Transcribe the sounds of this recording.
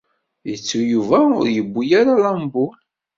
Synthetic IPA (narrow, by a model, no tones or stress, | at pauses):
jət͡sːujuvæʊ̰ɾjəbːujaɾalambul